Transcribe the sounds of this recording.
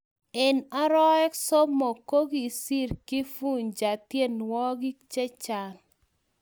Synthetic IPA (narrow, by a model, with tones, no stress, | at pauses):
ɪ˨na˦ɾɔ˦ɛ˦kso˦mo˨ko˦ɡi˨si˦ɾkɪ˦fu˦ɲd͡ʒa˨tje˦nwɔ˦ɡi˦kt͡ʃe˦t͡ʃa˨l